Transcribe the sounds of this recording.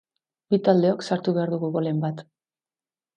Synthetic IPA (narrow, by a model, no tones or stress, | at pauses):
bit̪ald̪e̞o̞ksaɾt̪uβe̞aɾðuɣuɣole̞mbat̪